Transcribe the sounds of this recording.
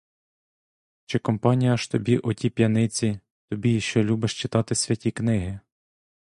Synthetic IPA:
t͡ʃɪkɔmpɑnʲijɐʃt̪ɔbʲiʔɔtʲipʲjɐnɪt͡sʲi | t̪ɔbʲijiʃt͡ʃɔlʲubɪʃt͡ʃɪt̪ɑt̪ɪsʲʋʲɐtʲiknɪɦɪ

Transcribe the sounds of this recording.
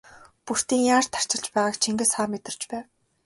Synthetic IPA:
pur̥t̪iːŋjaːrt̪ʰːḁr̥t͡ɕɪ̆ɮt͡ɕpæːʁaːkt͡ɕʰiŋɡɘ̆saːmet̪ɪ̆r̥t͡ɕpæːw

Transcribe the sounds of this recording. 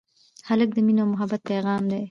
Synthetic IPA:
halək̚d̪əminomʊɦabat̪̚peɣɑːmd̪e

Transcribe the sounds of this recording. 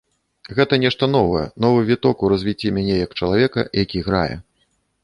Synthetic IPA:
ɣɛt̪ɐnʲɛʂt̪ɐnɔvɐjɛ̰nɔvɨvʲit̪ɔkuɾɐzʲvʲit͡sʲːimʲanʲɛjɐkt͡ʂɐlˠavʲɛkɐ̰jakʲiɣɾa̰jɛ̰

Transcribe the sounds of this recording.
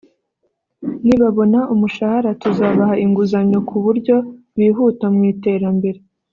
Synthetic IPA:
niβaβo̞naʔumuʃahaɾatuzaːβahaʔiŋɡuzaɲo̞kʰuβuɾɟo̞ | wiːɦuːtamŋiːte̞ːɾambe̞ɾe

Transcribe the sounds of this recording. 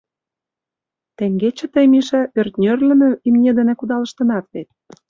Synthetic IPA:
t̪eŋɡet͡ɕĕt̪əjmiʃɑʔørt̪nʲørlʲə̆mø̆imnʲed̪ĕnĕkud̪ɑlə̆ʃt̪ɤ̆nɑt̪βet̪̚

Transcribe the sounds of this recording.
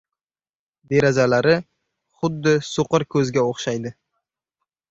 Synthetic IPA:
d̪e̞ɾazalaɾɪ | χʊd̪ːɪsoqɨɾkʲʰɵzɡʲaoχʃajd̪ɪ

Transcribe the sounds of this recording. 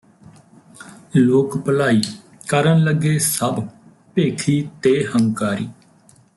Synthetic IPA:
loːkpəlaːiː | kəɾənləɡeːsəb | peːkʰiːt̪eːhəŋkaːɾiː

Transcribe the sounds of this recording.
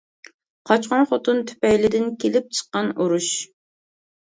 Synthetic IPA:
qʰɑt͡ʃqɑnχot̪unt̪ʰy̥pɛjlɪd̪ɪnkʲʰelɪp̚t͡ʃʰə̥qːɑnuɾuʃ

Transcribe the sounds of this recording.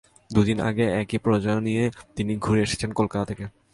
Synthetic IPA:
d̪ud̪inʔa̰ɡeɛkipɾod͡ʑajonijet̪iniɡʱuɾeeʃe̥t͡ɕʰenkolkat̪at̪ʰeke

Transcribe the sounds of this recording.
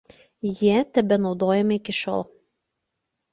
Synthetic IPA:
jiɛt̪ʲɛbʲɛnɒʊd̪oːjɛmɐɪkʲɪʃɔ̰lˠ

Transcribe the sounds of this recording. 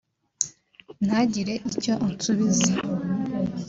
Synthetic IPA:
n̥haɟiɾe̞ʔico̞ʔnsuβize

